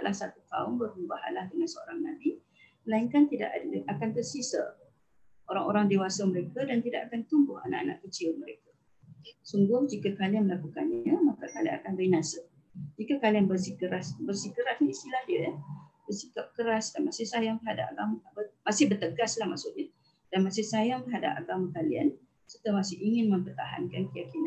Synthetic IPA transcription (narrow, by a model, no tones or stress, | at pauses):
ʔlʔahsat̪uk̪a̰ʊmbərumbaha̰lahdəŋansəo̰ɾaŋnabi | məlaiŋkant̪ida̰ʔa̰dakant̪ərsisə̰ | ʔoɾaŋʔoɾaŋdewasaməɾekadant̪ida̰kakant̪umbʊha̰na̰ʔa̰na̰ʔkət͡ʃɪlməɾeka | suŋɡʊhd͡ʒikakalianməlakukanɲəmakakalia̰ŋakanəɾinasə | d͡ʒikakalianbərsikəɾasbərsikəɾasniist̪ilahdiəjɛhbərsikap̚kəɾasdanmasɪhsajaŋt̪əɦadap̚aɡamaabəmasɪhbərt̪əɡaslahmaʔsʊʔɲa | d̥anmãsɪhsajaŋt̪əɦada̰paɡamãkalia̰n | sərt̪amasɪhiŋɪnmə̃mpərt̪aɦa̰nkankəjakina